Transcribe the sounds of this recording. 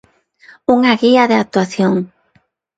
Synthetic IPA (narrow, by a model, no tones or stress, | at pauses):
uŋaɣiaðeak̚t̪waθjoŋ